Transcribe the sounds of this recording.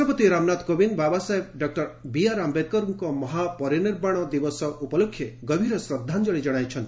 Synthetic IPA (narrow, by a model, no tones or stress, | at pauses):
ɔpɔt̪iɾamnat̪kobinbabasaebɖɔk̚ʈɔɾbijaɾambet̪̚kɔɾuŋkɔmɔɦapɔɾiniɾbaɽ̃ɔd̪ibɔsɔʔupɔlokʰːjeɡɔbʱiɾɔsɾɔd̪ʱːand͡ʒɔɽid͡ʒɔɽ̃ajt͡ʃʰɔnt̪i